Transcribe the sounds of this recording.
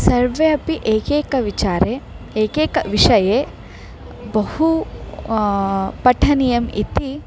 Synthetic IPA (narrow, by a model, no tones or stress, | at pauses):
sɐɾʋeːɐpiʔeːkeːkɐʋit͡ʃaːɾe | eːkeːkɐʋiʂɐjeː | bɐhu | pɐʈʰɐnijɐmḭt̪i